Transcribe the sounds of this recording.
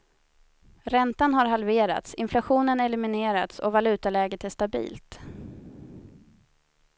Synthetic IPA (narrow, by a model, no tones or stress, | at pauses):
ɾɛnt̪anɦaɾɦalveːɾa̰t̪sɪnflaɧuːnənɛlɪmɪneːɾat̪sɔ̰valʉ̟ːt̪alɛːɡət̪æʂt̪abḭːlt̪